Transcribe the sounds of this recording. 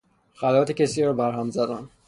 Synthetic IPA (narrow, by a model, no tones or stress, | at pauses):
xælɒt̪ʰecʲesiɾbæɾɦæmzæd̪æn